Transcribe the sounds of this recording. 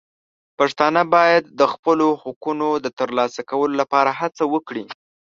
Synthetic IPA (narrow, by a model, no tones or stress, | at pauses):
paʂt̪ɑnəbɑjad̪ːəxpəlohukunod̪ət̪əɾlɑsakawəlolapɑɾaɦat͡sawəkɽi